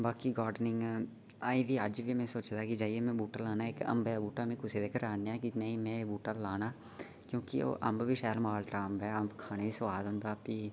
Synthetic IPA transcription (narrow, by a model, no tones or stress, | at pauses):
baːkiːɡaːɾɖnɪŋɡ | aːiʋiːəd͡ʒʋiːmɛ̃ːsoːt͡ʃd̪aːkid͡ʒaːieːmɛ̃ːbuːʈaːlaːnaːekə̰mbɛabuːʈaːmẽːkʊseːd̪eːkəɾaːneːaːkinəĩːmɛ̃ːbuːʈaːlaːnaː | kjõːkɪo̰ːʔəmbʋiːʃɛːlmaːlʈaːəmbɛːəmbkʰaːneːiːsəʋaːd̪ɦʊ̃nd̪aːpiː